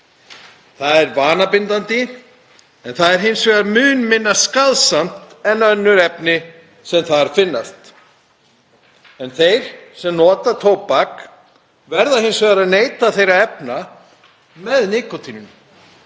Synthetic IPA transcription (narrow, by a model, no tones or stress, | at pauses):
θaðɛɾvaːnapɪnt̪ant̪ɪ | ɛnθaðɛɾɦɪnsvɛɣaɾmʏːnmɪnːaskaðsam̥t̪ɛnːaœnːʏɾɛpnɪ | sɛmθaðɛɾ̥fɪnːast̪ | ɛnθejɾ̥sɛmnɔːt̪at̪ʰoːwpak | vɛɾðahɪnsvɛɣaɾaðneːjt̪aθejɾaɛpna | mɛðnɪːkɔt̪ʰiːnʏn